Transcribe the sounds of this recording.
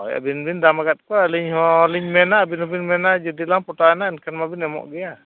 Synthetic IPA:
ja̰binbind̪amaɡat̪̚kɔaliɲhɔliɲmɛnabinhɔbinmɛnad͡ʒɔd̪ilampɔtaɛnainkʰɛnmabinɛmɔ̰ʔɡɛja

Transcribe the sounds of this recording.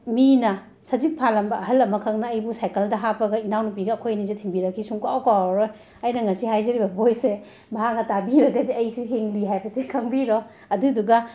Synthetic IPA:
minɐ | sɐzik̚pʰalɐmbɐɐɦɐlɐmɐkʰɐŋnɐːjbusajkɐldɐɦapʰɐɡɐinawnup̬iɡɐːkʰojnizetʰiŋbiɾɐkʰːisuŋkawkawɾoj | ɐjnɐŋɐsihajzɐɾibɐbojse | baɦak̚nɐtabiɾɐɡɐdiɐjsuɦeŋliɦajbɐsikʰɐŋbiɾɔ | ɐduduɡɐ

